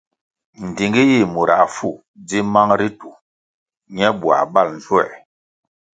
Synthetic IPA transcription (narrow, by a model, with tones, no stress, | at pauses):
n̩˨di˨ŋɡi˦ji˦˨mu˨ɾa̰˨fu˦˨ | d͡zi˦ma˦ŋɾi˦tu˨ | ɲɛ˦bwa̰˨ba˦˨ln̩˨zwɛ̰˨